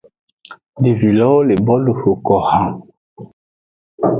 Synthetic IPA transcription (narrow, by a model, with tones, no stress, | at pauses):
di˨vi˨lɔ˦le˨bɔ˦lu˨ho˨kɔ˨hã˦